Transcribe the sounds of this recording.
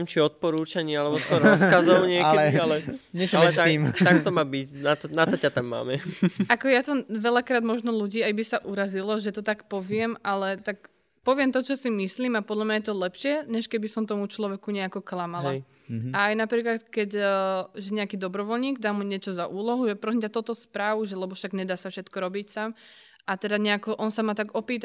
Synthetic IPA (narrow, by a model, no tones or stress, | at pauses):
ɛmt͡ʃiɔt̪̚pɔɾuːt͡ʃaɲialɛbɔskɔɾɾɔskazɔʊɲɪɛɛalɛɲɛt͡ʃaɛlɛt̪aiːmtt̪akt̪ɔmaːbicnat̪ɔnat̪ɔcat̪amːa̰ːmɛʔakɔjat̪ɔʋɛlakɾaːd̪mɔʒnɔluɟiːajbisaʔuɾazilɔʒɛt̪ɔt̪akpɔʋɪɛmʔalɛt̪ak | pɔʋɪɛmt̪ɔt͡ʃɔsimisliːmapɔd̪lamɲajɛt̪̬ɔlɛpʃɪɛɲɛʃkɛbisɔmt̪ɔmut͡ʃlɔʋɛkuɲɛakɔklamala | aːjnapɾiːklat̪kɛcːʒɛɲɛakiːd̪ɔbɾɔʋɔlɲiːɡd̪aːmuɲɪɛt͡ʃɔzaʔuːlɔɦuʒɛpɾɔs̬imcat̪ɔt̪ɔspɾaʋuʒɛlɛbɔʃaɡɲɛd̪aːsafʃɛt̪kɔɾɔbicsam | ʔat̪ɛd̪aɲɛakɔʔɔnsamat̪aɡɔpiːt̪a